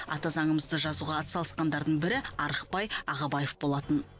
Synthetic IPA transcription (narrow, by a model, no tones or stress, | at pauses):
ɑ̰t̪ɑzɑɴəməzd̪əʒɑzuʁɑːt̪sɑlˠəsqɑnd̪ɑɾd̪əɴbɪɾɪɑɾəqpɑjɑʁɑbɑjefbo̞lˠɑt̪ən